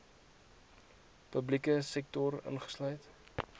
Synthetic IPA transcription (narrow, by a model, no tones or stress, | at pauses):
pəblikəsɛk̚tɔrə̰nχə̥slœɥt